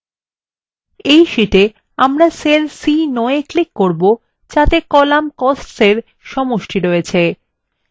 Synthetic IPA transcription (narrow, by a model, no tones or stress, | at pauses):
ejʃiʈe | amɾaselsinɔeklikːoɾbo | d͡ʑat̪ekɔlamkɔsʈseɾ | ʃɔmoʃʈʰiɾoet͡ɕʰe